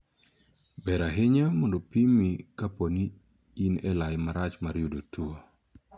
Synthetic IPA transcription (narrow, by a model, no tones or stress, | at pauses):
bɛɾaɦeɲamondopimikapɔniː | nɛlajmaɾat͡ʃmaɾjudotuo